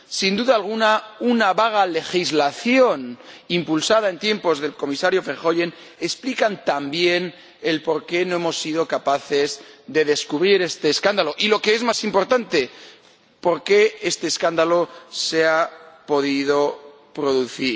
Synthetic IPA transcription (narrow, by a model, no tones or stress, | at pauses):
sind̪uðaːlɣ̞unaunaβaɣ̞ale̞xizlaθjo̞nimpulsað̞ae̞nt̪je̞mpo̞zðe̞lko̞misaɾjo̞feɾxo̞ʎe̞n | esplikant̪ambje̞n | e̞lpo̞ɾke̞noe̞mo̞sːið̞o̞kapaθe̞zðe̞ðe̞skuβɾiɾe̞st̪e̞ːskand̪alo̞ʔilo̞keezmasimpo̞ɾt̪ant̪e̞ | po̞ɾke̞e̞st̪e̞ːskand̪alo̞se̞apo̞ðiðo̞ | pɾo̞ðuθiɾ